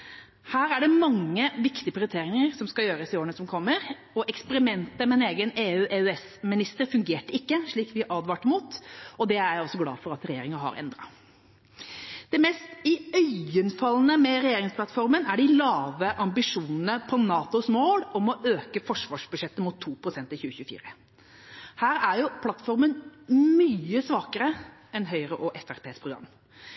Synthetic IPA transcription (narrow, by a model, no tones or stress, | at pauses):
hæːɾæɖɛmɑŋːəʋɪkt̪ɪəpʰɾɪʊʏt̪ʰeːɾɪŋəɾsɔmskɑjøːɾəsɪoːəɳəsɔmkʰɔmːəɾ | ɔʔɛkspəɾɪmɛnt̪əmɛneːɡəneːʉːʔeʉɛsmɪnɪst̪əɾfʉŋɡeːʈəɪkːəʂɭiːkʋɪʔɑːd̪ʋɑːʈəmuːt̪ɔd̪ɛææɔsːɔɡlɑ̰ːfɔɾɑt̪ɾɛjeːɾɪŋəɾɦɑ̰ɾɛ̰nd̪ɾɑ̰ | d̪̥ɛmɛːst̪ɪœʏənfɑlːənəmɛɾɛjeːɾɪŋsplɑt̪fɔɾmənæɖɪlɑːʋəʔɑmbɪʂuːnn̩əpʰɔnɑːt̪ʊsmoːlɔmɔøːkəfɔʂʋɑːʂbʉd̪ʂɛt̪ːəmut̪ʰːuːpʰɾʊsɛnt̪ɪlçʉːəçʉːəfḭːɾə | hæːɾæɾjʊpʰlɑt̪fɔɾmənmyːəsʋɑːkəɾə | ɛnɦœʏɾəʔɔʔɛfæɾpʰeːspʰɾʊɡɾɑ̰mː